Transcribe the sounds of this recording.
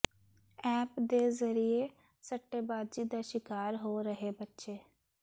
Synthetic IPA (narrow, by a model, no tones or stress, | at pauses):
ɛːpd̪eːzəɾieː | səʈːeːbaːd̪d͡ʒiːd̪aːʃɪkaːɾɦoːɾəɦeːbətːʃeː